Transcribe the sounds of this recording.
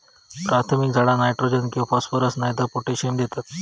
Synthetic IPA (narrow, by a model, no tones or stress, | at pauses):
pɾat̪ʰmik̚d͡zʱaɽanajʈɾod͡ʑənkĩʋafɔsfəɾəsnajt̪əpoʈeɕemd̪et̪at̪